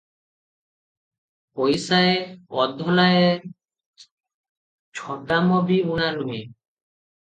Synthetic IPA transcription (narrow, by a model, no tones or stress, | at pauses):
pojsaeɔd̪ʱɔlae | t͡ʃʰɔʈamɔbiuɽ̃anue